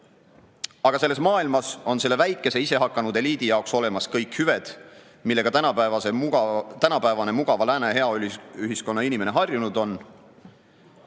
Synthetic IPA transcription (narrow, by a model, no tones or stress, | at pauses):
ɑɡ̥ɑse̞lːe̞smɑːilmɑso̞nse̞lːe̞væjkːˑe̞se̞ise̞ɦɑkːˑɑnud̪̥e̞liːd̪̥ijɑokso̞le̞mɑskɤjkhyved̪̥ | milːe̞ɡ̥ɑt̪ænɑpævɑset̪ænɑpæevɑne̞muɡ̥ɑvɑlæːneɦe̞ɑyliyɦisko̞nːɑinime̞ne̞ɦɑrjunud̪̥o̞n